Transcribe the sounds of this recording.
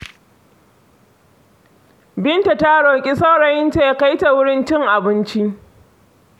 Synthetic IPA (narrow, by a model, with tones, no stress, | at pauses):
bɪ˦nta˨ta˦ɽoː˨kʲʼi˦sa˦wɽɐ˨jɪ˦nta˨ja˦ka˦jta˨wʊ˦ɽɪ˦nt͡ʃɪ˦ŋʔa˨bɪ˦nt͡ʃi˦ʔ